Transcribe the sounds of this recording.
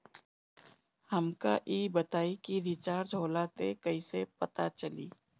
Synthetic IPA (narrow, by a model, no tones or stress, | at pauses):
həmka̰ʔiːbət̪aːikiʋit͡ʃaːɾd͡ʒʱoːlat̪ekɐiːsepɐt̪at͡ʃəlḭː